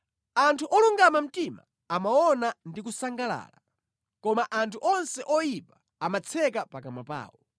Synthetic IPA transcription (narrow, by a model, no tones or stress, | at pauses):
antʰuʔɔluŋɡamam̩tima̰ | amawɔnandik̬usaŋɡala̰ːla | kɔmaʔantʰuʔɔnsɛʔɔjipḁ | amat͡sʰɛkapakamapa̰ːwɔ